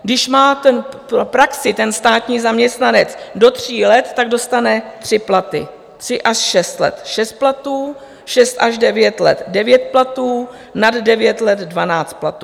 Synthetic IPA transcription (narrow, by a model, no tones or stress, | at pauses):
ɡdɪʃmaːt̪ɛnppɾaksɪt̪ɛnst̪aːt̪ɲiːzamɲɛst̪nanɛt͡sdo̞t̪r̝̥iːlɛt̪ːaɡ̚do̞st̪anɛt̪r̥ɪplat̪ɪ̰ | t̪r̥ɪʔaʃʃɛst̪lɛ̰t̪ʃɛst̪̚plat̪uː | ʃɛst̪ʔaʒdɛvjɛt̪lɛ̰t̪dɛvjɛt̪̚plat̪uː | naddɛvjɛt̪lɛd̪dvanaːt͡st̪̚plat̪u